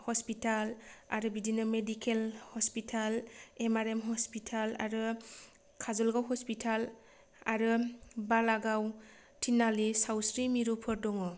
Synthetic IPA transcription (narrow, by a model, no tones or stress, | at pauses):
hɔspitala̰ɾɯbidinɯmedikʰelhɔspitʰalemaɾemɦɔspitʰala̰ɾɯ | kʰazɔlɡawɦɔspitʰal | a̰ɾɯbalaɡaw | tʰinalisawsɾimiɾupʰɔɾdɔŋɔ